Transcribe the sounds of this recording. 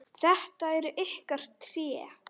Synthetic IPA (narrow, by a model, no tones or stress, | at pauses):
θɛht̪aɛɾʏʔehkar̥t̪ʰːɾjɛː